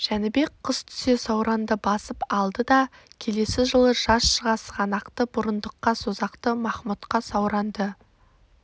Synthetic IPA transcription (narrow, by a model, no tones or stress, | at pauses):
ʒ̥ænɪbe̞k̚qʰəst̪ʰʏ̥se̞sɑwɾɑnd̪əbɑsəpɑlˠd̪əd̪ɑ | kʲʰe̞le̞sɪʒəlˠəʒɑsʃəʁɑsʁɑnɑqt̪əbʊɾənd̪əqːɑsozɑqt̪əmɑχmut̪qɑsɑwɾɑnd̪ə